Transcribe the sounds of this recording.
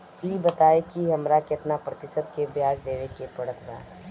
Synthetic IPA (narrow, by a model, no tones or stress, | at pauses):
iːbɐt̪aːekiɦɐmɾakɪt̪napɾɐt̪ɪsəd̪kebjaːd͡ʒd̪eːʋekepɐɽət̪bã̰ː